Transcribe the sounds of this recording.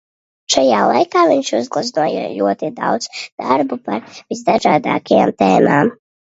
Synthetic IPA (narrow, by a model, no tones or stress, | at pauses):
ʃajaːlˠajkaːviɲʃuzɡlˠaznuɔja̰lʲuɔt̪id̪a̰wd̪z̥d̪̥aɾbupaɾvizd̪aʒaːd̪a̰ːkaja̰ːmt̪ɛːmaːm